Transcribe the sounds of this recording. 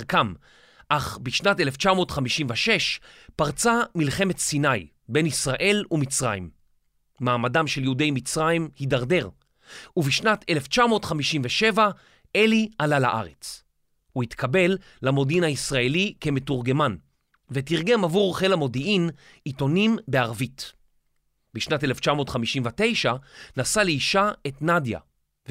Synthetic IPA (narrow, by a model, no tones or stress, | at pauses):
kam | ʔaχbiʃnate̞left͡ʃamo̞ːt̪χamiʃimveʃe̞ʃpaʁt͡samilχe̞me̞tsinaj | be̞nisʁaʔe̞lumit͡sʁa̰jḭmː | aːmadamʃeljeude̞jmit͡sʁajimhidaʁde̞ʁ | uviʃnate̞left͡ʃamo̞ːtχamiʃimveʃe̞va | e̞lialala̰ʔa̰ʁe̞t͡s | uhitkʰabe̞lː | amo̞dinaisʁae̞like̞me̞tuʁɡe̞man | vetiʁɡe̞mavuʁχe̞lamo̞diin | ito̞nimbeaʁvit | biʃnateleft͡ʃamo̞ːtχamiʃimvate̞jʃanasaleiʃaetnadja̰ | v